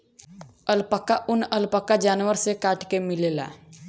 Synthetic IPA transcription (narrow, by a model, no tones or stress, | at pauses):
əlpəkːaʔʊnəlpəkːad͡ʒaːnwəɾsekaːʈkemɪlela̰